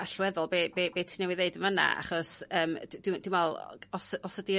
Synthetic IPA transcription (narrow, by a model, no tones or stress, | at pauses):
aɬwɛðɔlˠbeːbeːbeːtʰinɛwɪðeɨdəvəna̰a̰χɔsəːmdd̥ɪmd̥ɪmɛlˠɔsɔsədi